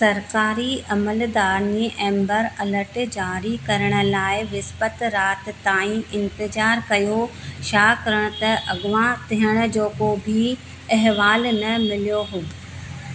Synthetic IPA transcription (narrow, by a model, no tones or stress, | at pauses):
sɐɾkaːɾiʔɐməld̪aːɾniʔɛ̃ːmbəɾɐləɾʈd͡ʑaːɾikɐɾəɽ̃ʊ̆laːɪʋɪspət̪ɾaːt̪t̪ãːĩʔɪ̃nt̪ɪzaːɾkɐjoʃaːkɐɾəɽ̃ʊ̆t̪ɐʔɐɡʊʋãt̪iɦəɽ̃ʊ̆d͡ʑoːkobʱi | ɐɦʋaːlnɐmɪlijoɦʊb